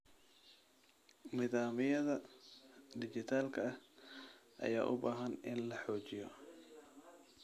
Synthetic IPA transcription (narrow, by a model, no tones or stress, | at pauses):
nɪðaːmɪjɐðɐ | d̪ɪt͡ʃɪt̪ʰaːlkʰɐɐh | ʔɐ̰ja̰ːʔʊ̰baːɦɐnʔɪnlɐħɔːt͡ʃɪjɔ